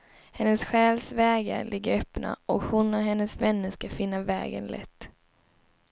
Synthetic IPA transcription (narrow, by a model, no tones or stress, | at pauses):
hɛnːəsɧɛːlsvɛːɡa̰lʔɪɡːəɾœpna̰ʔɔkhʊnːɔɦɛnːəsvɛnːəskafɪnːavɛ̰ːɡə̰nlʔɛ̰t̪ː